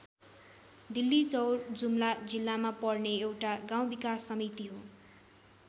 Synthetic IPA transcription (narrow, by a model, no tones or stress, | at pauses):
d̪ilːit͡sʌwrd͡zumlad͡zilːamapʌrneewʈaɡãw̃bikasːʌmit̪iɦo